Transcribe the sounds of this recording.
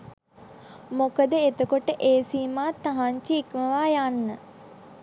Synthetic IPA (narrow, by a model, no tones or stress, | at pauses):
mokəd̪əet̪əkoʈəʔeːsiːmaːt̪ːaɦaɲt͡ʃiːkməʋaːjanːə